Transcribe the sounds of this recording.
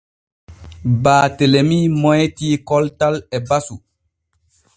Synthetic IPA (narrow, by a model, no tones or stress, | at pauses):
baːtelemimɔjtiːkɔltalɛbasu